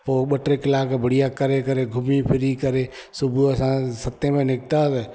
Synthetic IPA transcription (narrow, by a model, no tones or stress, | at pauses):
poːɓəʈɾekɪlaːkabəɽijakəɾekəɾeɡʱʊmipʰɪɾikəɾe | sʊbʱuəsãsət̪ːẽmẽnɪk̚t̪ase